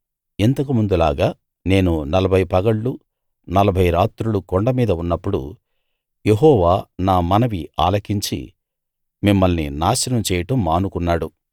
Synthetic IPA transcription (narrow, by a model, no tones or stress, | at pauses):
int̪ɐk̬umund̪ulaːɡaː | ne̞ːnunɐlɐbʱɐjpɐɡɐɭːu | nɐlɐbʱɐjɾaːt̪ɾulukoɳɖɐmiːd̪ɐunːɐpːuɽṵ | je̞ɦɔːʋaːnaːmɐnɐʋia̰ːlɐkiɲt͡ʃḭ | mimːɐlninaːʃɐnɐmt͡ʃɛːjɐʈɐmːaːnukunːaːɽu